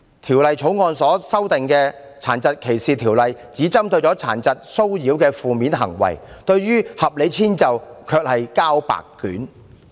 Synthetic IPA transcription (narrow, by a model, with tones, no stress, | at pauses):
t̪ʰiː˨˩wlɐ˨jt͡ʃʰo˨˥wŋɔː˧nsɔː˨˥sɐ˥wt̪ɪ˨ŋkɛː˧ | t͡sʰa̰ː˨˩nt͡sɐ˨t̚kʰe˨˩jsiː˨t̪ʰiː˨˩wlɐ˨jt͡siː˨˥t͡sɐ˥mt̪ɵ˧ɥt͡ʃɔː˨˥t͡sʰa̰ː˨˩nt͡sɐ˨t̚so˥wjiː˨˥wkɛː˧fuː˨˧miː˨˥nɦɐ̰˨˩ŋwɐ̰˨˩jt̪ɵ˧ɥɥyː˥hɐ˨p̚le˨˧jt͡sʰiː˥nt͡sɐ˨wkʰœː˧k̚hɐ˨jkaː˥wpa̰ː˨kːy̰ː˨˥n